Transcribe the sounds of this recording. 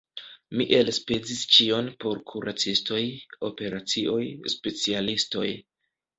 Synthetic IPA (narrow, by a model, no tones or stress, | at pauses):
miʔe̞lsped͡zist͡ʃio̞npo̞ɾkʰuɾʔat͡sisto̞jo̞pe̞ɾat͡siʔo̞jspe̞t͡sialisto̞j